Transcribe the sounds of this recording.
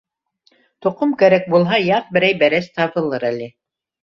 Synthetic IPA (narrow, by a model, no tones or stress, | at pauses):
t̪ŏqomkæɾæk̚bulˠɦɑjɑq̚bɘ̆ɾæjbæɾæst̪ɑβɤ̆lˠɤɾælɘ